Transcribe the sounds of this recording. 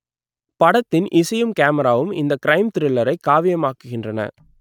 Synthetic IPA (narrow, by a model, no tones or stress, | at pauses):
pɐɽɐt̪ːɪnʔɪsɐjɯmkaːmɐɾaːʋɯmɪ̰nd̪ɐkɪɾɐɪmt̪ɪɾɪlːɐɾɐɪkːaːʋɪjɐmaːkɯɣɪndrɐnɐ̰